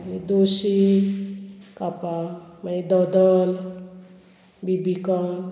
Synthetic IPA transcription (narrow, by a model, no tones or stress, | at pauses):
ned̪osi | kapamaned̪ɔd̪ɔl | bibika